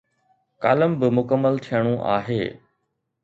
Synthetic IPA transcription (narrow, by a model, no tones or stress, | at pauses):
ka̰ːləmbɪmʊkəmːəlt̪ʰijəɽ̃ũʔa̰ːɦeː